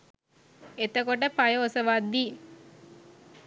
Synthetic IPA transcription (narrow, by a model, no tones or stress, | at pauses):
et̪əkoʈ̬əpajəosəʋad̪ːi